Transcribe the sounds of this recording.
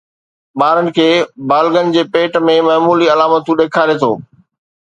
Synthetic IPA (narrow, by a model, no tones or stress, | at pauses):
ɓaːɾənɪ̆kʰeːbaːlɡənɪ̆d͡ʑeːpeːʈmẽmɐːmuːliɐlaːmət̪ũɗeːkʰaːɾet̪ʰo̰ː